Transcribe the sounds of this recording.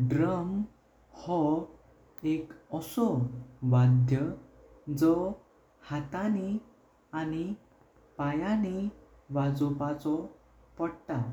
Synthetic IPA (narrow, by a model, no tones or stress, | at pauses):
ɖɾəm | hɔ | ekɔsɔʋad̪ʱjə | d͡zɔ | hat̪ani | ani | pajani | ʋad͡zupat͡sɔ | pəɽt̪a